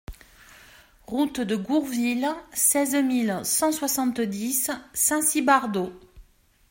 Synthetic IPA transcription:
ʁut̪d̪əɡuʁvilsɛzmilsɑ̃swasɑ̃t̪d̪isːɛ̃sibaʁd̪o

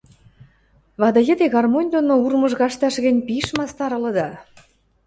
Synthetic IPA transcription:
βɑd̪ɑ̆jə̆d̪eɣɑrmonʲd̪onourmɤ̆ʒɣɑʃt̪ɑʃɣɘ̆nʲpiʃmɑst̪ɑɾɤ̆lɤ̆d̪ɑ

